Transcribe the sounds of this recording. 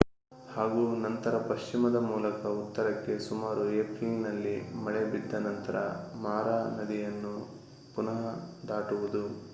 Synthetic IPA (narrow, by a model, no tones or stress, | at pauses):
haːɡuːnɐnt̪ɐɾɐpɐʃt͡ʃimɐd̪ɐmuːlɐkɐut̪ːɐɾɐkːe̞sumaːɾueːpɾiŋɡnɐlːimɐɭebid̪ːɐnɐnt̪ɐɾɐmaːɾaːnɐd̪ijɐnːu | punɐɦɐd̪aːʈuʋud̪u